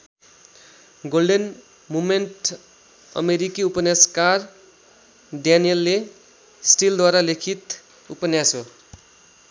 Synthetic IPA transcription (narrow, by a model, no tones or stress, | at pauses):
ɡolɖen | mumenʈ | ʌ̰meɾikiupʌnjaskar | ɖjanijelːe | sʈild̪waɾalekʰit̪ | upʌnjaso